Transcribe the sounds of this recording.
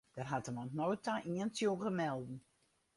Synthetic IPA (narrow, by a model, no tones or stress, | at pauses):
d̥ɛrɦatəmɔntnoːtaʔiəntjoɣəmɛlˠdn̩